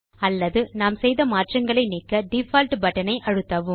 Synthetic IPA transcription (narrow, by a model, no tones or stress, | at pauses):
ɐlːɐðɯnaːmsɛjðɐmaːʈrɐŋɡɐɭɐɪniːkːɐɖɪfaːlʈbɐʈːɐnɐɪʔɐɻɯt̪ːɐʋɯm